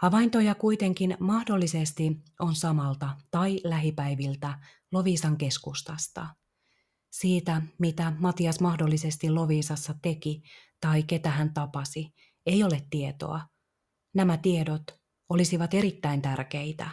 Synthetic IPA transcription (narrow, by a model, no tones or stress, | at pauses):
hɑʋɑint̪o̞jɑkuit̪e̞ŋkinmɑhdo̞lːise̞st̪io̞nsɑmɑlt̪ɑt̪ɑilæɦipæiʋilt̪æ | lo̞ʋiːsɑŋke̞skust̪ɑst̪ɑ̰ | siːt̪æmit̪æmɑt̪iɑsmɑhdolːise̞st̪ilo̞ʋiːsɑsːɑt̪e̞kit̪ɑike̞t̪æhænt̪ɑpɑsi | e̞jo̞let̪ːie̞t̪o̞̰ɑ | næmæt̪ie̞dot̪ | o̞lisiʋɑt̪e̞ɾit̪ːæint̪ærk̟e̞it̪æ̰